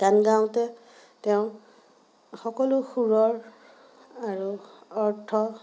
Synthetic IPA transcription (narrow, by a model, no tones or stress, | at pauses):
tanɡãw̃tɛ | tɛʊ̃ | xɔkɔlʊxuɹɔɹ | aɹuɔɹtʰɔ